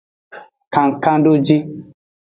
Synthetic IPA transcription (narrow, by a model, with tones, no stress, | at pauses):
kã˨ŋ̩˨kã˦do˦d͡ʒi˦